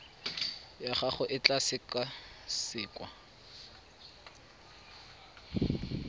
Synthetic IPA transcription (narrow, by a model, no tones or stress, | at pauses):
jaχaχʊʔɪt͡ɬasɪkʼasɪːkʼwa